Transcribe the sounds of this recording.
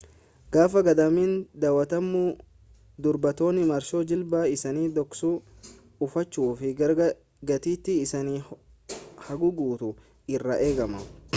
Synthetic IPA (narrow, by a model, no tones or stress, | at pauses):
ɡ̥aːfɐɡɐd̪ɐmiːnd̪aːwɐt̪ɐmːu | d̪ʊɾbɐt̪o̞ːnːɪmɐɾʃoːd͡ʒɪlbaːɪsɐniːd̪ɔksuː | ʊfɐt͡ʃːuːfɪɾ | ɡɐt̪iːt̪ːɪːsɐniː | hɐɡʊɡuːt̪ʊ | ɪrːɐʔe̞ːɡɐmɐ